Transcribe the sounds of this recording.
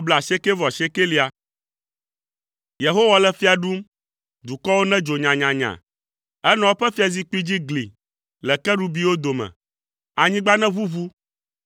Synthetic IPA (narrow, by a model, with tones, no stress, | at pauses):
bla˨ʃe˦ke˦vɔ˨ʃe˦ke˦li˦a˨ | je˨ɦo˦wa˨lɛ˨fi˦a˨ɖu˦m | d̪u˨kɔ˦wo˦nɛ̃˦d͡ʒo˨ɲã˨ɲã˨ɲã̰˨ | ɛ˦nɔ̃˦wo˦ɸɛ˦fi˦a˨zi˦k͡pi˦d͡ʑi˦ɡlḭ˨ | lɛ˨kɛ˦ɖu˦bi˦wo˦d̪o˨mɛ̰̃˨ | a˨ɲĩ˦ɡ͡ba˦nɛ̃˦vu˦vu˦